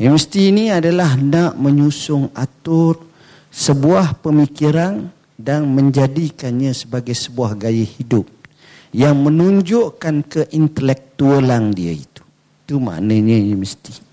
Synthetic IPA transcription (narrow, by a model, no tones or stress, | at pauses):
iməst̪iːniadalahnãʔməɲusʊŋat̪ʊr | səbuahpəmikiɾan | danmə̃ɲd͡ʒadikanɲãsəbaɡajsəbuahɡajahidʊp̚ | jaŋmə̃nuɲd͡ʒʊʔkankəʔint̪əlɛk̚t̪uəlandia̰ḭt̪u̥ | it̪uma̰ʔnãɲə̃jəməst̪i